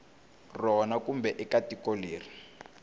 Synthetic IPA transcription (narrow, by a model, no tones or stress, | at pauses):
rɔnakumbɛʔɛkatikoleːri